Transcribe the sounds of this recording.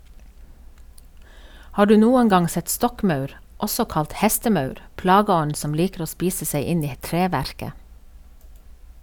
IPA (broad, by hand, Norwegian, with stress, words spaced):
ˈhɑː ˈɖʉː ˈnuːəŋ ˈɡɑŋ ˈsɛt ˈstɔkˌmɑʉɾ ˈʔɔsɔ ˈkɑlt ˈhɛstəˌmɑʉɾ ˈplɑːɡəˌɔɲ ˈsɔm ˈliːkɾ̩ ˈoː ˈspiːsə ˈsæɪ ˈɪn ˈiː ˈtɹeːʋæɾkə